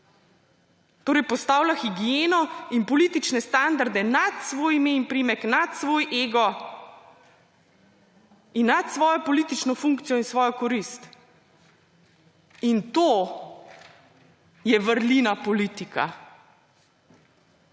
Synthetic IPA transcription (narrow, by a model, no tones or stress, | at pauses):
t̪oːɾɛjpɔst̪aːwlaxiɡijeːnɔimpɔliːt̪it͡ʃnɛst̪and̪aɾd̪ɛnat̪sʋoːjimeimpɾimɛknat̪sʋoːjʔeːɡɔ | inːat̪sʋɔːjɔpɔliːt̪it͡ʃnɔfuŋkt̪sijɔinsʋɔːjɔkɔɾist̪ | int̪oː | jɛʋəɾlinapɔliːt̪ika̰